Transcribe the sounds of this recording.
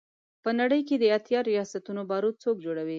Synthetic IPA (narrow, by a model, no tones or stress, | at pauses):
pənaɽəjked̪əjat̪jɑɾijɑsat̪unobɑɾut͡sok̚d͡ʒoɽawi